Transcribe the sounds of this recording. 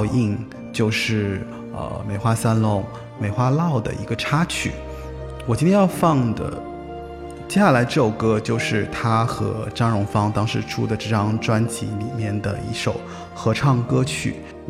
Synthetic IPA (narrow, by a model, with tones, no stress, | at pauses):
ʊi˥˧ŋ | t͡ɕjo˥˧ʊʂɻ̩˥˩ | ə̰˧˩me˨˩ɪxwa˥sa˥nlʊ˧˥ŋ | me˨˩ɪxwa˥lɑ˥˩ʊd̪ə̰˩ḭ˧˥ɡə˧ʈ͡ʂʰa˥t͡ɕʰy̰˨˩ | wɔ˨˩t͡ɕi˥t̪jɛ˥jɑ˥˧ʊfɑ˥˩ŋd̪ə̰˩ | t͡ɕjɛ˥ɕja˥˩la˧˥ɪʈ͡ʂɤ˥˩ʈ͡ʂo˨˩ʊkɤ˥t͡ɕjo˥˧ʊʂɻ̩˥˩t̪ʰa˥xɤ̰˧˥ʈ͡ʂa˥ŋɻʊ˧˥ŋfɑ˥ŋt̪ɑ˥ŋʂɻ̩˥˩ʈ͡ʂʰu˥d̪ə˨ʈ͡ʂɤ˥˩ʈ͡ʂɑ˥ŋʈ͡ʂwa˥nt͡ɕʰi˧˥li˨˩mjɛ˥˩nd̪ə̰˩ḭ˧˥ʂo˨˩ʊ | xɤ˧˥ʈ͡ʂʰɑ˥˩ŋkɤ˥t͡ɕʰy̰˥˩